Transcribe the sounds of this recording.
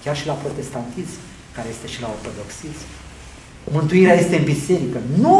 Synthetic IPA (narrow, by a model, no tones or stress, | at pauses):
kʲarʃilapɾo̞t̪e̞st̪ant̪ism | kaɾe̞je̞st̪e̞ʃilaort̪o̞d̪o̞ksism | mɨnt̪uiɾeaje̞st̪eɨnbise̞ɾikənu